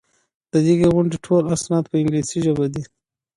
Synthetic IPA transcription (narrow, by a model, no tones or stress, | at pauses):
d̪̥əd̪iɡeɣʊɳɖiʈʰolasnɑːt̪pəɪŋɡlesiʒəbad̪i